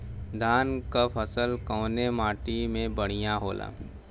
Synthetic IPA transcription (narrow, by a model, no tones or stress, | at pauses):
d̪ʱaːnkapʰəsəlkəːnemaːʈimẽbəɽ̤̃ijaɦoːlʔa̰ː